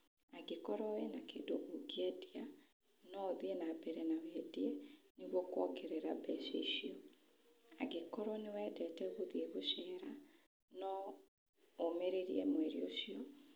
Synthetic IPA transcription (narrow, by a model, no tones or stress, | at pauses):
aɡekɔɾɔwenakedoʔoɡiɛdia | nɔoðienabɛɾɛnawɛːdiɛneɣwɔkwɔkeɾɛɾabɛʃḛiɕiɔ | a̰ɡekɔɾɔnewɛːdɛtɛɣoðieɣoɕɛːɾa | nɔ | omeɾeɾiɛmwɛɾḭoɕiɔ